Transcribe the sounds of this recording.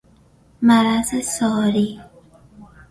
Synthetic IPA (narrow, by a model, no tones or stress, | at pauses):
maɾasesɔːɾi